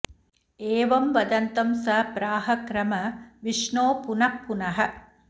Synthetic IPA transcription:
eːʋɐmʋɐd̪ɐnt̪ɐmsɐpɾaːɦɐkɾɐmɐʋiʂɳoːpunɐkːunɐɦɐ

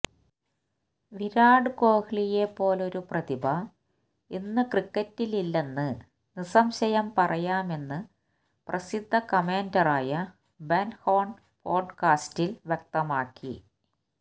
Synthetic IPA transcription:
ʋiɾaːɖɨko̞ːhiɭije̞pːo̞ːlo̞ɾuprɐt̪ibʱɐ | inːɨkrikːɐtːililːe̞nːɨ | nisɐmɕɐjɐmpɐrʔɐjaːme̞nːɨ | prɐsid̪ʱːɐkɐmeːndɐraːjɐ | benhoːɳ | po̞ːɖkaːstilʋjɐk̚t̪ɐmaːkːḭ

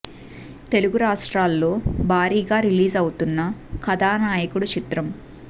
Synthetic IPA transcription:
t̪e̞luɡuɾaːʂʈɾaːlːo̞ːbʱaːɾiːɡaːɾiliːzɐwut̪unːɐkʰɐd̪aːnaːjɐkuɽut͡ʃit̪ɾɐm

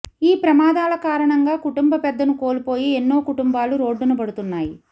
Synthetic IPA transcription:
iːpɾɐmaːd̪aːlɐkaːɾɐɳɐŋɡaːkuʈumbɐpɛd̪ːɐnuko̞ːlupo̞ːjienːoːkuʈumbaːluɾo̞ːɖːunubɐɽut̪unːaːji

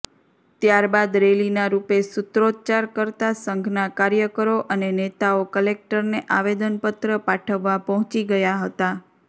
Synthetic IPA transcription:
t̪jaɾbad̪ɾelinaɾupesʊt̪ɾod̪̚t͡ʃaɾkəɾt̪asəŋɡʱnakaɾjəkəɾoʔənenet̪aokəlek̚ʈəɾneʔaʋed̪ənpət̪ɾəpaʈʰəʋːapɔɦɔ̃t͡ʃiɡəjaɦət̪a

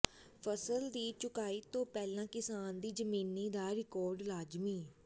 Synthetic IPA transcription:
pʰəsəld̪iːt͡ʃʊkaːiːt̪õːpɛːlãːkɪsaːnd̪iːd͡ʒəmiːniːd̪aːɾɪkɔːɾɖlaːd͡ʒmiː

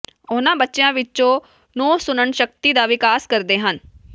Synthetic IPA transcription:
ʊnãːbətːʃejãːʋɪtːt͡ʃõː | nõːsʊnəɳʃək̚t̪iːd̪aːʋɪkaːskəɾd̪eːɦən

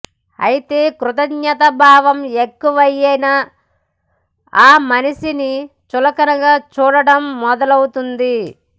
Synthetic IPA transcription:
ɐ̰jit̪e̞ːkɾut̪ɐɡɲɐt̪ɐbʱaːʋɐmekːuʋɐjːɐjnɐ | aːmɐnɐʃini | t͡ʃulɐkɐnɐɡaːt͡ʃuːɽɐɽɐmːɔd̪ɐlɐwut̪und̪i

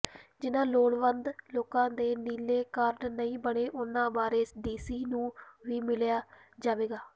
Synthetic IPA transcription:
d͡ʒɪnãːloːɽʋənd̪loːkãːd̪eːniːleːkaːɾɖnəĩːbəɽeːʔʊnãːbaːɾeːsɖiːsiːnũːʋiːmɪljaːd͡ʒaːʋeːɡaː

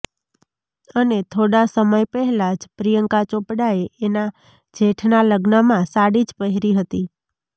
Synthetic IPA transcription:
ənet̪ʰoɽasəməjpəɦɛlad͡ʒpɾijəŋkat͡ʃopɽaeʔena | d͡ʒeʈʰnaləɡnəmãsaɽid͡ʒpəɦɾiɦət̪i

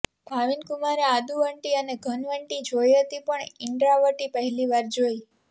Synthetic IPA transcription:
bʱaʋinkumaɾead̪uʋəɳʈiəneɡʱənʋəɳʈid͡ʒojɦət̪ipəɳɪɳɖɾaʋəʈipəɦɛliʋaɾd͡ʒoj

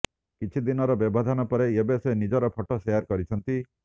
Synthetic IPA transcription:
kit͡ʃʰid̪inɔɾɔbebʱɔd̪ʱanɔpɔɾeebesenid͡ʒɔɾɔpʰɔʈɔseaɾkɔɾit͡ʃʰɔnt̪i

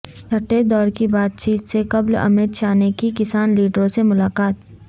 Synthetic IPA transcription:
t͡ʃʰɐʈːed̪ɔːɾkibaːt̪̚t͡ʃiːt̪sekɐblɐ̰mɪt̪t͡ʃaːnekikɪsaːnliːɖɾõsemʊlaːkaːt̪̚

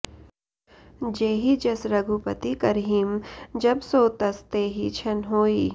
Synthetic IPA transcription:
d͡ʒeːɦid͡ʒɐsɾɐɡʱupət̪ikɐɾɦiːmd͡ʒɐbsoːt̪əst̪eːɦit͡ʃʰɐnɦoːiː

